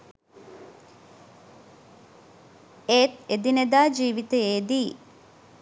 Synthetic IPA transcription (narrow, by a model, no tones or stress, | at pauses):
eːt̪ed̪ined̪aːd͡ʒiːʋit̪ejeːd̪iː